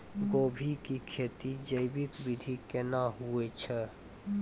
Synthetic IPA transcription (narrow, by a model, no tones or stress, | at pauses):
ɡoːbʱikikʰeːt̪id͡ʒəjbit̪bid̪ʱikenaɦuet͡ʃʰɛ